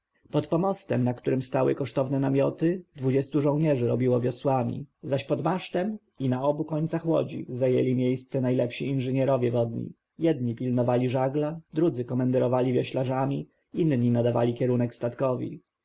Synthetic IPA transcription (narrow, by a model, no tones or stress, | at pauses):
pɔt̪pɔmɔst̪ɛmnakt̪uɾɘmst̪awɘ̰kɔʂt̪ɔvnɛnamʲjɔt̪ɘd̪vud͡ʑɛst̪uʐɔwɲɛʐɘɾɔbʲiwɔvʲjɔswamʲḭzaɕpɔd̪maʂt̪ɛm | inaɔbukɔɲt̪saxwɔ̰d͡ʑḭzajɛ̰lʲimʲjejst̪sɛnajlɛpɕiinʐɘɲɛɾɔvʲjɛvɔd̪ɲḭ | jɛd̪ɲipʲilnɔvalʲiʐaɡlad̪ɾud̪zɘkɔmɛnd̪ɛɾɔvalʲivʲjɔɕlaʐamʲi | inɲinad̪ava̰lʲikʲɛɾunɛkst̪at̪kɔvʲḭ